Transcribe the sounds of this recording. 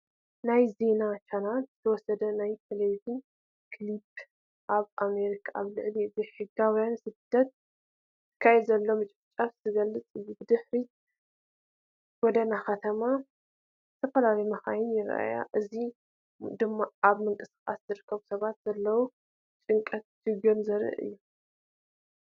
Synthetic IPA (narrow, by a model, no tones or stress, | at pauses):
najze̞nat͡ʃʰanalzɨt̪ʰɐwɔsɐd̪ɐnajfeledin | kʰlib | ʔaβʔame̞ɾikʰaaβlɨʕlizɨħɨɡawjansɨd̪̥ːɐt̪̚ | tɨ̥kʰːajɛd̪zɐlːo̞mɨt͡ʃʼɨft͡ʃʼafz̥ɨɡɐlːɨt͡sʼɨzibɨd̪ɨħɾi | ɡ̥ɔd̪ɐnaxɐt̪ʰɐma | zɨt̪ʰɐfɐlalɐjmɐxajɪnjɪɾʔa̰ja̰ʔɨzi | d̪ɨmːaaβmɨŋkʼɨsɨ̥xʼa̰szɨɾɨkʰːɐβusɐβat̪z̥ɐlːɐwu | t͡ʃʼɨŋkʼɐt̪̚d͡ʒɨɡonzɐɾɨ̰ʔɨ̰jːu